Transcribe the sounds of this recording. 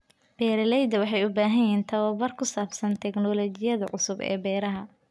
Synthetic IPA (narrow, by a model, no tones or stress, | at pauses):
b̥ɛːɾɐlɛjd̪ɐwɑħɑjʊbaːɦɐjɛːnt̪ʰɐwɐbɐrkʰʊsaːbsɐnt̪ʰɛɡnɔlɔt͡ʃɪjɐðɐʕʊsʊbɛ̰ːbɛːɾɐɦɐ